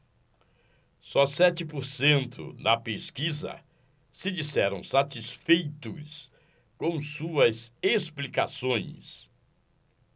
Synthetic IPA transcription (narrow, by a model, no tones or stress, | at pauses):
sɔsɛt͡ʃɪpoɾsẽnt̪ʰʊ̰nɐpeskizɐ̰ | sɪd͡ʒisɛɾɐ̃w̃sat͡ʃisfejt̪ʊ̰s | kõw̃suɐzesplikasõj̃s